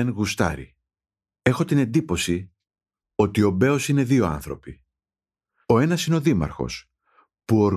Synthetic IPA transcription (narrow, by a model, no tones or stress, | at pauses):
enɣust̪ɐ̰ɾḭ | e̞xo̞t̪ine̞nd̪ipo̞si | o̞t̪io̞be̞o̞sine̞ðio̞ɐ̰nθɾo̞pi | o̞e̞nɐsineo̞ðimɐ̰ɾxo̞̰s | puo̞ɾ